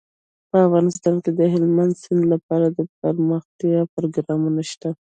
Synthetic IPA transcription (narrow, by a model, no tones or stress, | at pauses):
pəafɣɑnɪst̪ɑnked̪əɦɪlmand̪sɪnd̪lapɑɾad̪əp̚əɾməxt̪jɑpɾoɡɾɑmunaʃt̪a